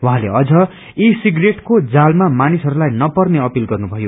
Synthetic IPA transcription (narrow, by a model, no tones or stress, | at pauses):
waɦãleʌd͡zʌ | isiɡreʈkod͡zalmamanisɦʌɾulajnʌpʌrneʌpilɡʌrnubʱʌjo